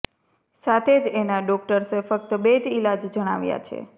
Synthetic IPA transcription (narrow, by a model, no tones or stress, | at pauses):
sat̪ʰed͡ʒenaɖɔk̚ʈəɾsefək̚t̪əbed͡ʒilad͡ʒd͡ʒəɽ̃a̰ʋja̰t͡ʃʰḛ